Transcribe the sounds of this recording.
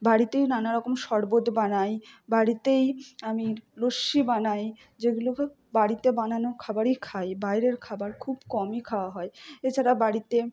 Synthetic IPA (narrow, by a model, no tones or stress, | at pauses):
baɽit̪ejnanaɾɔkomʃɔɾbod̪banajbaɽit̪ejamiloʃibanaj | d͡ʑeɡulo | baɽit̪ebananokʰabaɾejkʰajbajɾeɾkʰabaɾkʰubkɔmikʰaoaɦɔeet͡ɕʰaɾabaɽit̪e